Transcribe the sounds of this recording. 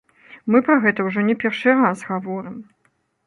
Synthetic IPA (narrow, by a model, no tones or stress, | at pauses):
mɨpɾaɣɛt̪ɐwʐɔnʲɛpʲɛrʂɨɾasɣavɔɾɨm